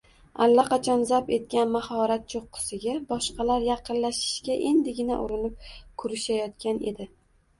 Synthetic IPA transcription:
alːaqʰɑt͡ʃʰɒnzape̞t̪̚kʲanmahɒɾat̪̚t͡ʃʰoqːɨ̥sɪɡʲabɒʃqɑlaɾjɑqʰɨnlaʃɪ̥ʃɡʲaʔe̞nd̪ɪɡʲɪnaʔʊɾɪnɪp̚kʰʊɾɪʃajɒt̪̚kʲane̞̰d̪ɪ

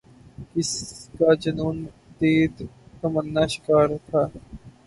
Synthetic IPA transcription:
kɪskad͡ʒɐnuːn | d̪eːd̪k̪ɐmənːaːʃɪ̥kaːɾt̪ʰaː

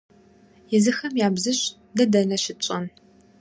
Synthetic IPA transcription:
jɛzɨxɐmjaːbzɨɕ | dɐdɐnɐɕɪt͡ʃʼɐn

